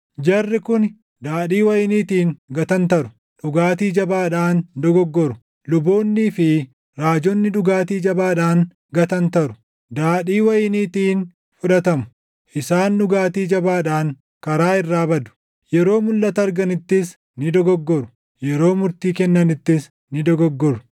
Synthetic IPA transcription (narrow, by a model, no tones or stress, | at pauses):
d͡ʒɐrːɪkʊn | d̪aːᶑiːwɐjɪniːt̪iːŋɡɐt̪ɐnt̪ɐɾʊ | ᶑʊɡaːt̪̬iːd͡ʒɐbaːᶑaːnd̪ɔɡɔɡːɔɾʊ | lʊboːnːiːfɪ | ɾaːd͡ʒɔnːɪᶑʊɡaːt̪iːd͡ʒɐbaːᶑaːŋ | ɡɐt̪ɐnt̪ɐɾʊ̥ | d̪aːᶑiːwɐjniːt̪iːn | fʊᶑɐt̪ɐmʊ̥ | ʔɪsaːnᶑʊɡaːt̪iːd͡ʒɐbaːᶑaːŋ | kɐɾaːɪrːaːbɐd̪ʊ̥ | jɛɾo̞ːmʊlːɐt̪ɐɐɾɡɐnɪt̪ːɪs | nɪd̪ɔɡɔɡːɔɾʊ | jɛɾo̞ːmʊɾt̪iːkɛnːɐnɪt̪ːɪs | nɪd̪ɔɡɔɡːɔɾʊ̥